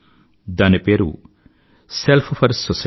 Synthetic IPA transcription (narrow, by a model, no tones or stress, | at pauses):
d̪aːnipeːɾṵ | selpʰpʰɐɾssɔs